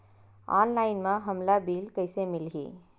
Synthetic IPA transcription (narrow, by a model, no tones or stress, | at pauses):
a̰ːnlaːɪnmãɦɐmlabiːlkəɪsemɪlɡḭː